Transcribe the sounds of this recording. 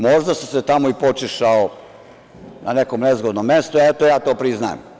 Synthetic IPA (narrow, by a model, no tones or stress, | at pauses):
moʒd̪asuset̪amoipot͡ʃiʃao | nane̞komnezɡod̪nomːest̪oɛt̪ojaːt̪oːpɾizna̰jḛm